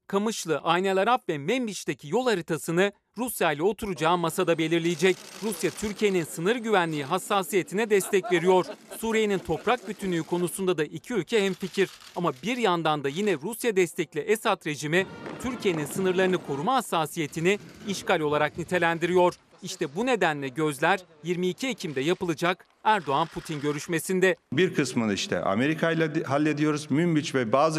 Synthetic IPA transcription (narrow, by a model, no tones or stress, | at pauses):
kʰamɯt͡ʃlˠɯʔajnelʲˠaɾapvɛmɛmbit͡ʃt̪ecʰijo̞lˠaɾɯt̪ʰasɯnɯ | ɾusjajlʲɛo̞t̪ʰuɾud͡ʒaːmasad̪abe̞lʲiɾlʲijid͡ʒɛcɾusjat̪ʰyɾcʰije̞ninsɯnɯɾɟyvænlʲiːiɦasːaːsije̞t̪ʰinɛd̪ɛst̪ʰɛcve̞ɾijo̞ɾ̥suːɾije̞nint̪ʰo̞pɾak̚byt̪ʰynːʲyːkʰo̞nusund̪ad̪aʔicʰiylʲcʰɛɦɛmficʰiɾ | amabiɾjand̪and̪ajinɛɾusjad̪ɛst̪ʰɛclʲiʔesat̪ɾe̞d͡ʒimit̪ʰyɾcʰije̞ninsɯnɯɾlˠaɾɯnɯkʰo̞ɾumaɦasːaːsije̞t̪ʰiniiʃkalʲo̞lˠaɾak̚nit̪ʰe̞lʲænd̪iɾijo̞ɾ̥ | iʃt̪ʰɛbune̞d̪ænlʲɛɟø̞zlʲæɾjiɾmiːcʰiecʰimd̪ɛjapɯlˠɯd͡ʒak | æɾd̪o̞anpʰut̪ʰinɟø̞ɾyʃme̞sind̪ɛbiɾkʰɯsmɯniʃt̪ʰɛ̰ʔa̰me̞ɾikʰajlˠaɦalʲːed̪ijo̞ɾuzmymbit͡ʃvɛbaːz